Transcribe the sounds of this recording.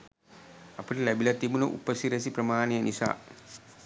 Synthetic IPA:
apəʈəlæbilɐt̪ibunəʔṵpəsiɾɐs̬iprəmaːnejənisa̰ː

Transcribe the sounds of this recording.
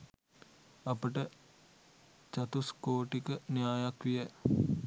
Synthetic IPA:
ɐpəʈə | t͡ʃɐt̪uskoːʈikənjaːjakʋijə

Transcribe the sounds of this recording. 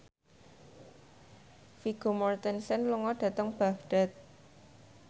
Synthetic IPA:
fiɡ̥omɔrt̪ɛnsɛnluŋɔɖ̥a̤t̪əŋb̥a̤ɡɖ̥a̤t̪̚

